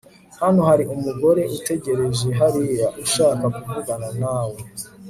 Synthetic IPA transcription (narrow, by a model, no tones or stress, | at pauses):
hanohaɾiʔumuɡo̞ɾe̞ʔute̞ɟe̞ɾe̞ʒeɦaɾijaʔuʃaːkakuvuɡananaːwe̞